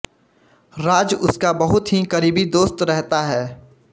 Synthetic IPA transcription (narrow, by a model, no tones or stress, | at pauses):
ɾaːd͡ʒʊskabɐɦʊt̪ɦikɐɾiːbid̪oːst̪ɾɛɦt̪aɦɛː